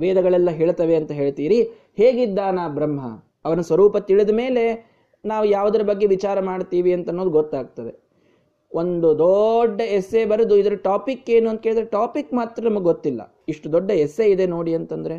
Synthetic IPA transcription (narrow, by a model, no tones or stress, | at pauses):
ʋɛːd̪ɐɡɐɭɛlːɐɦeːɭt̪ɐʋe̞ɐnt̪ɐɦe̞ːɭt̪iːɾi | heːɡid̪ːaːnaːbɾɐmɦɐ̰ | ɐʋɐnɐsʋɐɾuːpɐt̪iɭid̪ɐme̞ːle̞ | naːʋujaːʋud̪ɐɾɐbɐɡːe̞ʋit͡ʃaːɾɐmaːɖt̪iːʋiɐnt̪ɐnːoːd̪uɡot̪ːaːɡ̚t̪ɐd̪ḛ | o̞nd̪ud̪ɔɖːɐɛsːe̞bɐɾɐd̪uid̪ɐɾɐʈaːpikːe̞ːnuɐnt̪ɐkɦeɭd̪ɾeʈaːpikːmaːt̪ɾɐnɐmɐɡeɡot̪ːilːɐ̰ | iʂʈud̪ɔɖːɐɛsːe̞id̪e̞no̞ːɽiɐnt̪ɐnd̪ɐɾe̞